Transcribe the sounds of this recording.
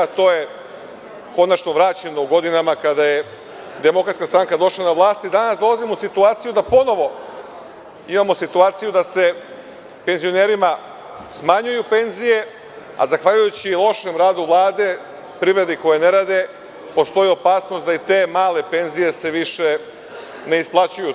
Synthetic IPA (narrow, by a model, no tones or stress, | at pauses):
t̪o̞ːje̞ | ko̞nat͡ʃnoʋɾat͡ɕe̞no̞uɡo̞d̪inamakad̪aje | d̪e̞mo̞kɾat̪skast̪ɾaŋkad̪o̞ʃlˠanaʋlˠaːst̪id̪anasd̪o̞lˠazimousit̪uaːt̪sijud̪apo̞no̞ʋo̞ | imamosit̪uaːt̪sijud̪ase̞ | pe̞nzio̞ne̞ːɾima | smaɲujupe̞nzije̞ | a̰zaxʋaʎujut͡ɕilˠo̞ʃemɾaːd̪uʋlˠaːd̪e̞ | pɾivɾe̞d̪iko̞jene̞ɾaːd̪e̞ | po̞st̪o̞jio̞paːsno̞st̪d̪ait̪e̞ːmaːle̞pe̞nzije̞se̞ʋiʃe | ne̞isplˠat͡ɕuju